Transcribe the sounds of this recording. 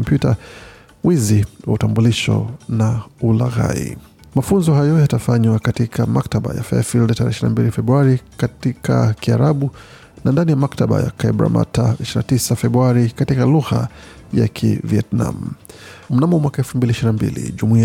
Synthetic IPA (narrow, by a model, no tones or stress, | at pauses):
ɔmpjuta | wiziwa̰utambuliʃɔ̰naula̰ɣa̰ḭ | mafunzɔɦajɔjatafaɲwakatikʰamaktaɓa̰jafɛafildataɾɛɛʃina̰mbilifɛbɾuaɾikatikʰakiaɾaɓu | nandanijamaktaɓa̰ja̰kaibɾa̰ma̰taiʃiɾina̰tisafɛbɾuaɾikatikaluɣa̰ | ja̰kʰḭviɛtna̰m̩m̩namɔmwakaɛlfumbiliʃiɾinambḭlḭʄumui